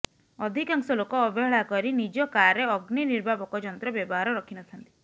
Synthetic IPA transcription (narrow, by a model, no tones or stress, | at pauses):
ɔd̪ʱikaŋsɔlokɔːbeɦɭakɔɾinid͡ʒɔkaɾeɔɡniniɾbʱabɔkɔd͡ʒɔnt̪ɾɔbjɔbɔɦaɾɔɾɔkʰinɔt̪ʰant̪i̥